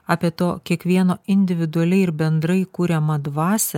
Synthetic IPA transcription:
ɑːpʲiɛt̪oːkʲiɛkʋʲiɛnoːɪnʲd̪ʲɪʋʲɪd̪ʊɐlʲɛɪɪɾbʲɛnd̪ɾɐɪkuːɾʲɛmɐd̪ʋɑːsʲɛ

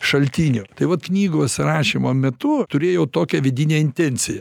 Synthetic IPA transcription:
ʃɐlʲt̪ʲiːnʲʊt̪ɐɪʋɐt̪knʲiːɡʊɐtʲsʲɪɾɑːʃʲimoːmʲɛt̪ʊt̪ʊɾʲeːjɛʊt̪oːkʲɛʋʲɪd̪ʲɪnʲeːɪnʲt̪ʲɛnʲt͡s̪ʲɪjɛ

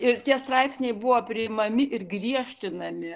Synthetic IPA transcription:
ɪɾt̪ʲiɛst̪ɾɑɪpʲsʲnʲɛɪbʊʋoːpʲɾʲɪmɐmʲɪʔɪrɡɾʲiɛʃʲt̪ʲɪnɐmʲɪ

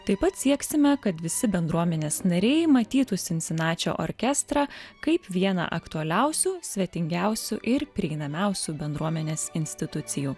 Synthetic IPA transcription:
t̪ɐɪpɐt̪sʲiɛksʲɪmʲɛkɐt̪ʋʲɪsʲɪbʲɛnd̪ɾuɔmʲɛnʲeːsnɐɾʲɛɪmɐt̪ʲiːt̪usʲɪnʲsʲɪnɑːt͡ʃʲo̰ːʔoɾʲkʲɛst̪ɾɑːkɐɪpʋʲiɛnɑ̰ʔɐkt̪uɐlʲɛʊsʲuːsʲʋʲɛt̪ʲɪŋʲɡʲæˑʊsʲuʔɪɾpʲɾʲiɛiɪnɐmʲæʊsʲuːbʲɛnd̪ɾuɔmʲɛnʲeːsɪnʲsʲt̪ʲɪt̪ʊt̪sʲɪjuː

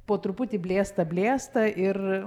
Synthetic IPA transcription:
poːt̪ɾʊpʊt̪ʲɪbʲlʲeːst̪ɐbʲlʲeːst̪ɐʔɪr

